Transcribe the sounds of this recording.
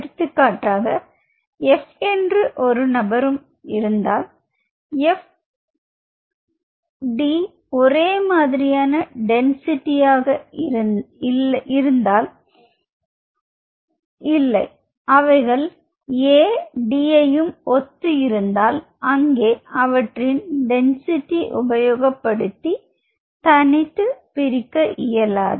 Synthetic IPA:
ɾɯt̪ːɯkːaːʈːaːɣɐ | ɛfɛndrɯʔɔɾɯnɐbɐɾɯm | ɪɾɯnd̪aːl | ɛf | ɖi | ɔɾeːmaːðɪɾɪjaːnɐɖɛnsɪʈːɪjaːɣɐ | ʔɪɾɯnd̪aːl | ɪlːɐɪ | ɐʋɐɪɣɐɭ | eːɖiːɐjɯmʔɔt̪ːɯɪɾɯnd̪aːl | ɐŋɡeːɐʋɐʈrɪnɖɛnsɪʈːiʔʊbɐjoːɣɐpːɐɽɯt̪ːi | t̪ɐnɪt̪ːɯpɪɾɪkːɐʔɪjɐla̰ːðɯ

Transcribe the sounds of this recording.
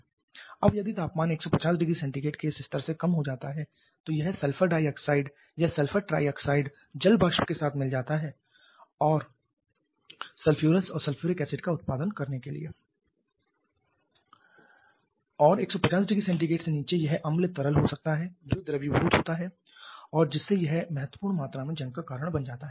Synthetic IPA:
ɐ̰bjɐd̪it̪aːpmaːneːksɔpɐt͡ʃaːsɖɪɡɾisɛ̃ɳʈiɡeːʈkeːsɪst̪əɾsekɐmɦod͡ʒaːt̪aɦɛ | t̪ojɐɦsɐlfəɖaːɪjɔːksaːɪɖ | jɐsɐlfʰəɾʈɾa̰ːɪjɔːksaːɪɖ | d͡ʒɐlbaːʃpkesaːt̪ʰmɪld͡ʒaːt̪aɦɛː | ɔːɾ | sɐlfʰjuːɾəsɔːɾsɐlfʰjuːɾikɛːsɪʈkaʊt̪̚paːd̪ənkɐɾnekelḭḛː | ɔːɾeːksɔpɐt͡ʃaːs̬ɖɪɡɾisɛ̃ɳʈ̬iɡeːʈseniːt͡ʃejɐɦʔɐmlt̪ɐɾəlɦosɐk̚t̪aɦɛd͡ʒod̪ɐɾəbibʱuːt̪ɦoːt̪aɦɛ | ɔːɾd͡ʒɪsːejɐɦmɛɦət̪wəpuːɾɽmaːt̪ɾamẽd͡ʒɐ̃ŋkakaːɾəɽ̃bɐnd͡ʒaːt̪aɦɛː

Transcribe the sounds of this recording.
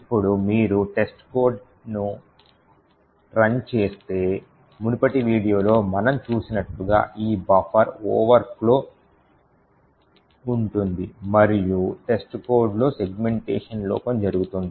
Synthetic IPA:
ipːuɽumiːɾuʈe̞sʈkoːɾɖ | nu | ɾɐnt͡ʃe̞ːst̪e̞ː | munupɐʈiʋiːɽijo̞ːlo̞ːmɐnɐmt͡ʃuːsinɐʈluɡa̰ːʔiːbɐpʰɐɾɔ̰ːʋɐɾklo̞ː | uɳʈund̪imɐɾijuʈe̞sʈko̞ːɾɖlo̞ːse̞ɡme̞ɳʈḛːʂɐnlɔ̰ːkɐmd͡ʒɐɾuɡut̪und̪i

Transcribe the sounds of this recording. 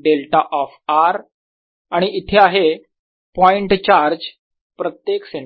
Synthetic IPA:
ɖelʈaʔɔfaɾ | aɽ̃iʔːt̪ʰeaɦe | pɔiɳʈt͡ɕaɾd͡ʑ | pɾət̪jekseɳ

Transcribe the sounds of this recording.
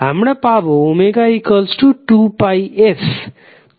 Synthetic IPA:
ɦamɽapaboumeɡaikəlsʈuʈupajes

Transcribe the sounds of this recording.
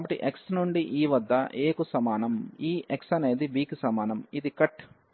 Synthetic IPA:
bɐʈḭʔeksnuɳɖiʔiːʋɐd̪ʱːɐʔeːkusɐmaːnɐmiːeksɐneːd̪ibiːkisɐmaːnɐmid̪ikɐʈ

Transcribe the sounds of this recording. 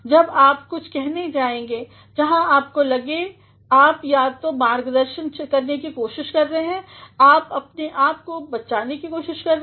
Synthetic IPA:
d͡ʒɐbaːpkʊt͡ʃʰkɛɦned͡ʒaːẽːŋɡe | d͡ʒɐɦãaːp̚kolɐɡe | aːpjaːt̪omaːɾɡd̪ɐɾʃənkɐɾnekikoːʃɪʃkɐɾːɐɦeɦɛ̃aːpɐpneʔaːp̚kobɐt͡ʃaːnekikoːʃɪʃkɐɾː

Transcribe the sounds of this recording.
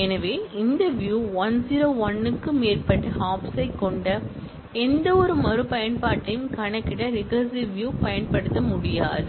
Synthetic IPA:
ɛnɐʋeːɪnd̪ɐʋjuːʋɐnziːɾoːʋɐnːɯkːɯmeːrpɐʈːɐhaːpsɐɪkːɔɳɖɐ | ɛnd̪ɐɔɾɯmɐɾɯpɐjɐnpaːʈːɐjɯmkɐɳɐkːɪɽɐɾɪkɐsiʋjuːpɐjɐnpɐɽɯt̪ːɐmʊɽɪja̰ːðɯ

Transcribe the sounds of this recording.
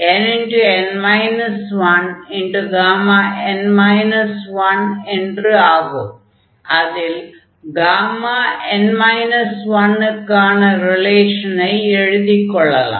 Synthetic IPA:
eninɖuenmɐjnɐsʋɐniɳɖuɡaːmaenmɐjnɐsʋɐneɳɖrɨaːɣu | ɐðil | ɡaːmaenmɐjnɐsʋɐnːɨkaːɳɨrileːʂɐnɐjeɻuðikʲːoɭːɐlɐ̰

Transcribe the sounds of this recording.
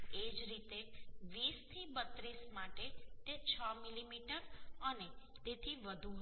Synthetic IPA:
ed͡ʒɾit̪eʋist̪ʰibət̪ɾismaʈet̪et͡ʃʰəmilimiʈəɾəne | t̪et̪ʰiʋəd̪ʱuɦ

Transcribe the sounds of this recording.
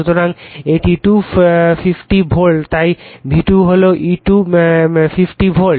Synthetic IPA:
ut̪oɾaŋeʈiʈufipʈibʱoɭt̪ajbʱiʈuɦoloʔiʈu | fifʈibʱol

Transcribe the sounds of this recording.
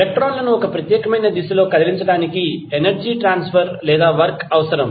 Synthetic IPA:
pek̚ʈɾoːnlɐnuɔkɐpɾɐt̪jɛːkɐmɐjnɐd̪isɐlo̞ːkɐd̪ɐliɲt͡ʃɐɽaːnikienɐɾd͡ʒiːʈɾaːnspʰɐɾlɛːd̪aːʋɐɾkɐʋɐsɐɾɐm

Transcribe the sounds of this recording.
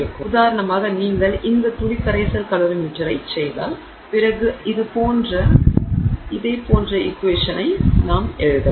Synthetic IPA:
ɾɯkːɯʊðaːɾɐɳɐmaːɣɐniːŋɡɐɭʔɪnd̪ɐt̪ʊɻɪkːɐɾɐɪsɐlkɐloːɾɯmiʈːɐɾɐɪt͡ʃːɛjða̰ːl | pɪrɐɣɯɪðɯpoːndrɐ | ɪðɐɪpoːndrɐʔɪkːʋeːʂɐnɐɪnaːmɛɻɯðɐ

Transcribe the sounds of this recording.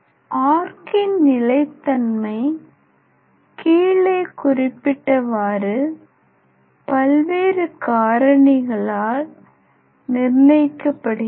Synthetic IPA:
ʔaːɾkɪnnɪlɐɪt̪ːɐnmɐɪ | kiːɭeːkʊrɪpːɪʈːɐʋaːɾɯ | pɐlʋeːɾɯkaːɾɐɳɪɣɐɭaːl | nɪrnɐɪkːɐpːɐɽɯɣ

